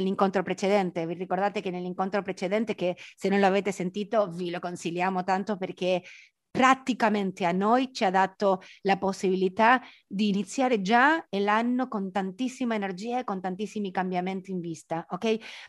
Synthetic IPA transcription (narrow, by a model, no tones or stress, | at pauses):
lːiŋkont̪ɾopɾet͡ʃed̪ɛnt̪evirikord̪aːt̪ekenelːiŋkont̪ɾopɾet͡ʃed̪ɛnt̪ekesenːõnloaveːt̪esent̪iːt̪ovilokonsiljaːmot̪ant̪operke | pɾat̪ikament̪eanːojt͡ʃiad̪at̪olaposːiβilit̪a | d̪iːnit̪sːjaːɾed͡ʒaelanːokont̪ant̪isːimaenerd͡ʒiːaekːont̪ant̪isːimikambjament̪iːɱvist̪aʔokɛj